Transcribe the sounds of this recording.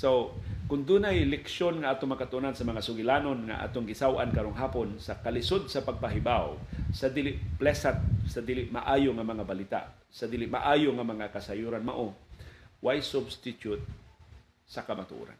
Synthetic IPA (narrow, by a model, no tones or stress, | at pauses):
sowkʊnd̪unajlɛkʃonŋaʔaːt̪oŋmakat̪ʊʔunansɐmɐŋasʊɡɪlanonŋa̰ʔa̰ːt̪oŋɡɪsawʔa̰nkaɾoŋɦaːponsakalɪsod̪̚sɐpaɡ̚paɦɪbawsɐd̪ilɪʔplɛsat̪̚sɐd̪iːlɪʔmaʔaːjoŋamɐŋabalit̪a̰ʔ | sɐd̪iːlɪʔma̰ʔaːjoŋamɐŋakasajuɾanma̰ʔo | wajsʊbst̪ɪt̪jʊt̪̚ | sɐkɐmat̪ʊʔṵɾa̰n